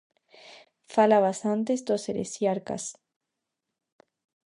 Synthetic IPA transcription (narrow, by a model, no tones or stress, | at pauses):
falaβasant̪̬esd̪oseɾḛsjaɾka̰s